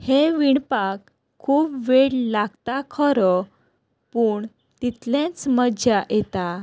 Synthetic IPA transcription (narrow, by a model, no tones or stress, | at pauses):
heʋiɳpakʰː | uːpʋeɽlaɡt̪akʰəɾə | puːɳ | t̪it̪lẽt͡sməd͡ʑajet̪a